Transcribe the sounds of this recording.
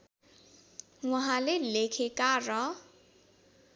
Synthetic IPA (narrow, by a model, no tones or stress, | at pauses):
wʌɦãlelekʰekarʌ